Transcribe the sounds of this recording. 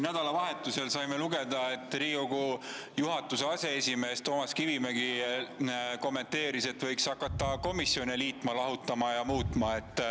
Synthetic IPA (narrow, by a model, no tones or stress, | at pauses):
næd̪̥ɑlɑvɑɦe̞t̪ːˑuse̞lsɑjme̞luɡe̞d̪̥ɑe̞t̪ːˑriːko̞ɡ̥u | juɦɑt̪ːˑuse̞ɑse̞esʲime̞ːst̪o̞ːmɑskivimeɡ̥i | ko̞mːe̞nt̪e̞ːɾise̞t̪ːˑvɤjksɑkːˑɑt̪ːˑɑko̞misjo̞niliːt̪mɑlɑɦut̪ːˑɑmɑjɑmuːt̪ˑmɑe̞t̪ˑː